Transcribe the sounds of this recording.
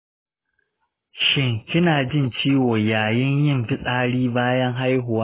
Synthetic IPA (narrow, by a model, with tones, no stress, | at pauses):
ʃɪ˦ŋkʲɪ˦naː˨d͡ʒɪ˦nt͡ʃiː˦woː˨jaː˨jɪ˦ɲjɪ˦˨mɸɪ˦sʼaː˦ɽiː˦baː˦jɐ˦ŋɦa˦jɦʊ˨waː˦